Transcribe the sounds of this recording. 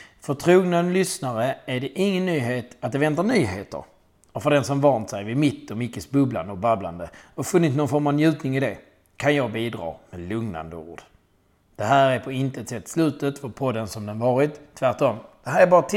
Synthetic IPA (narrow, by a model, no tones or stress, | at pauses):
fœt̪ʰɾuːɡnad̪lʏsnaɾəæɖɛʔɪŋːənːyːɦeːt̪at̪̚d̪ɛvɛnt̪aɳyːɦeːt̪ə̰ɾ | ɔfœɖɛnsɔmvant̪sɛjvɪmɪt̪ːɔmɪkːəsbɵbla̰nd̪əɔbabla̰nd̪əɔfɵnːɪt̪nɔnfɔɾmavnjʉ̟ːt̪nɪŋɪd̪ɛ | kʰanjɑːɡ̚biːd̪ɾɑ̰ːmɛlɵŋna̰nd̪əṵːɖ̥ | d̪̥ɛɦæːɾæɾpʰɔɪnt̪əɛt̪sɛt̪ːslʉ̟ːt̪ət̪fɔɾpʰɔd̪ːənsɔmd̪ɛnvɑːɾɪt̪ʰːvæʈɔmd̪̥ɛɦæːɾæɾbɑːɾat̪ʰ